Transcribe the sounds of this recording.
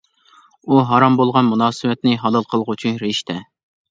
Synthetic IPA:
uɦɑɾɑmbolˠʁɑnmunɑːsɨwɛt̪nɪɦɑlˠɑlˠqʰəlˠəʁut͡ʃʰynɾeʃt̪ɛ

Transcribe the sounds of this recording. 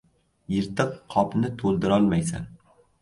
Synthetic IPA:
jɪɾt̪ɨqqʰɒpnɪt̪ʰolˠd̪ɪɾɒlˠmajsa̰n

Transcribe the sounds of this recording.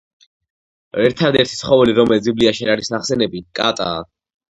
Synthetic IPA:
ɛɾt̪ʰad̪ɛɾt̪ʰi̥sχɔvɛliɾɔmɛlzibliaʃiaɾaɾisaχsɛnɛbikʼa̰t̪ʼa̰ː

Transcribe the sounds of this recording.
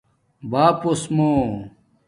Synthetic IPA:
baːposmo

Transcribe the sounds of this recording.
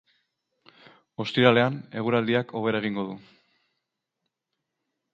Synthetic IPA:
o̞st̪iɾale̞ane̞ɣ̞uɾald̪iakʰo̞β̞e̞ɾae̞ɣ̞iŋɡo̞ðu

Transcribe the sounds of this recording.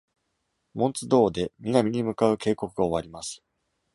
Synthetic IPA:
mõ̞nt͡sɨd̪o̞ːd̪e̞mʲinamʲiɲ̟imɯ̟kaɯ̟ke̞ːko̞kɯ̟ɡaoβaɾʲimasɨ̥

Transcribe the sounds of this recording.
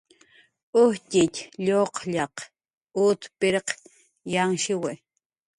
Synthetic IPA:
ʊhcʲɪtʲʎoqʎɑq | ʊt̪pɪɾq | jaŋʃɪwɪ

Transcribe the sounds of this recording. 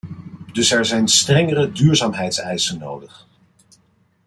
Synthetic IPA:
dɵsɛɹzɛjnstrɛŋəɾədyːɹzaːmɦɛjtsɛjsəno̰wdəχ

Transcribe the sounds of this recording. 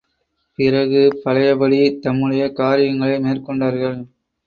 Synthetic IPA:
pɪrɐɣɯpɐɻɐjɐbɐɽit̪ɐmːɯɽɐjɐkaːɾɪjɐŋɡɐɭɐɪmeːrkɔɳɖaːɾɣɐɭ

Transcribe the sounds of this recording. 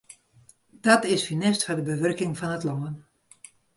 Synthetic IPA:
d̥ɑtɪsfinɪstfɔdəbəʋørkɪŋfɑnətlɔːən

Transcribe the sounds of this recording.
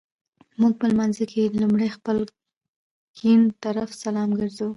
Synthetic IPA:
muɡ̚pəlmanzikʰelumɽajxpəl | kint̪aɾafsalɑmɡəɾzu

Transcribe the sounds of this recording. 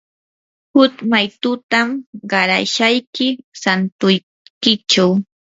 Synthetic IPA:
hʊt̪majt̪ʊt̪amɢɑɾaʃajkɪsant̪ʊj | kɪt͡ʃaw

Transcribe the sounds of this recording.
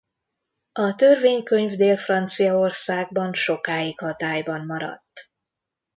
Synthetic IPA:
ɒt̪ø̞rveːɲkø̞ɲvd̪eːlfrɒnt̪sijɒo̞rsaːɡ̚bɒnʃo̞kaːikhɒt̪aːjbɒnːɒɾɒ̰t̪ː

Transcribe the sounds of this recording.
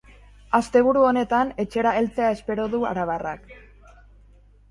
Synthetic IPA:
ast̪e̞β̞uɾuo̞ne̞t̪ane̞t͡ʃe̞ɾae̞lt͡se̞ae̞spe̞ɾo̞ðua̰ɾaβ̞ara̰k

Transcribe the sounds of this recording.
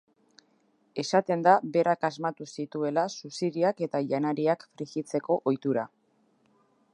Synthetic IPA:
e̞sat̪e̞nd̪aβe̞ɾakazmat̪usit̪ue̞lasusiðiake̞t̪aʝanaɾiakfɾiɣit͡se̞ko̞ʔojt̪uɾa

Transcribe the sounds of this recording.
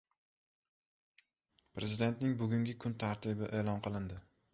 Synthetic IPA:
pɾezɪd̪e̞nt̪nɪŋbʊɡʲʊŋɡʲɪkʰʊnt̪ʰaɾt̪ʰɪbɪʔe̞ːlˠɒnqʰɨlˠɪnd̪ɪ

